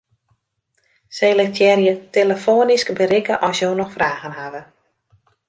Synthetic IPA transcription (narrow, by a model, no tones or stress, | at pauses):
sejlɪktʰjɛrjəteləfoːniskbəɾɪkəʔɔsjoːnɔxfraːɣənɦaʋə